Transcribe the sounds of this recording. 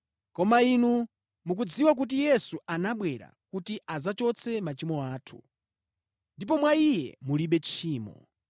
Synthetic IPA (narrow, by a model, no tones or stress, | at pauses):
kɔmainu | muk̬ud͡ziwak̬ut̬ijɛsuʔanaɓwɛɾa̰kutiʔazat͡ʃɔt͡sʰɛmat͡ʃimɔaːtʰu̥̰ | ndipɔmwaijɛ̰muliɓɛt͡ʃʰiːmɔ̰